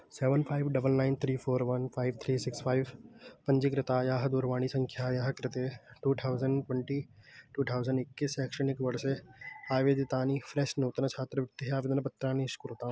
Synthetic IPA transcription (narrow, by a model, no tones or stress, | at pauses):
seːʋənpʰaːɪʋɖɐbəlnaːɪnt̪ʰɾiːpʰoːɾʋɐnpʰaːɪʋt̪ʰɾiːsɪkspʰaːɪʋpɐɲd͡ʒɪkɾɪt̪aːjaːɦɐd̪uɾʋaːɽ̃isɐ̃ŋkʰjaːjaːɦɐkɾɪt̪eʈuːt̪ʰaːʊzəɳɖʈwɛɳʈiːʈuːʈ̪ʰaːwzəɳɖɪkːisɛːkʃənɪkʋɐɽseaːʋeːd̪it̪aːnifʰɾeʃnoːt̪nɐt͡ʃʰaːt̪ɾəʋɪʈ̚t̪eɦeaːʋɪd̪nɐbɐt̪ːɾaːniʃkuɾɪt̪a